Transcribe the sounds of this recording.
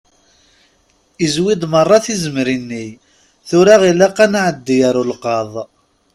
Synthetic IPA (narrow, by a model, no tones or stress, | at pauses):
izwid̪ˤmərˤːɑθizəmɾinːi | θʊɾaʁilaqːanaʕəd̪ːijaɾulqɑðˤ